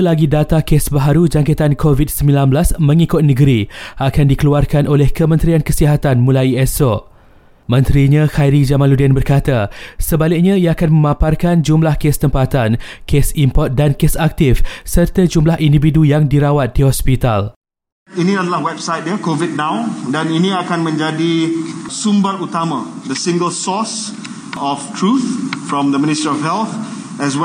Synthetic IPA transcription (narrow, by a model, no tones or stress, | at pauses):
laɡidat̪akesbaɦaɾud͡ʒaŋket̪ankʰovit̚səmbilanblasmə̃ŋikʊt̪̚nəɡəɾiʔakandikəluarkanʔolɛhkəmə̃nt̪ɾiankəsiɦat̪anmũlaiɛso | mə̃nt̪ɾiɲãxajɾid͡ʒamãnludɛnbərkat̪asəbalɪk̚ɲãiaːkanmə̃mãparkand͡ʒumlahkest̪əmpat̪an | kʰesimpɔt̪̚dankesak̚t̪ifsərt̪ad͡ʒumlahʔindividujaŋdiɾawat̪̚dihɔspit̪a̰l | inĩadəlahwɛbsajt̚dəkovid̚nãwdɛ̃niniakanmə̃nd͡ʒadisumbaɾut̪amad̪əsĩŋɡəlsɔs | ɔftʰɹuθfɹɔ̃md̪əmĩnistɹiɔfɦɛlθ | ɛswɛ